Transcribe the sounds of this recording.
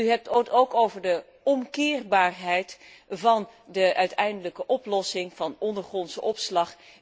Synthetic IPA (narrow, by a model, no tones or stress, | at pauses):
yɦɛp̚towtowkowvəɹdə | ɔmkɪːrbaːɹɦɛjt | vɑndəʔœɥtɛjndələkəʔɔplɔsɪŋv̥ɑnɔndəɹχrɔnsəɔpslɑχ